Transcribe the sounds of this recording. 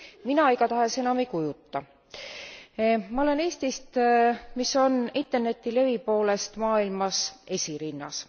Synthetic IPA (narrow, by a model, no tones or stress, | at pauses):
minɑejkɑt̪ɑɦe̞se̞nɑmejkujut̪ˑːɑ | mɑo̞le̞ne̞ːst̪ist̪miso̞nint̪ːˑe̞rne̞t̪ːˑile̞vipo̞ːle̞st̪mɑːilmɑse̞sʲiɾinːɑ̰s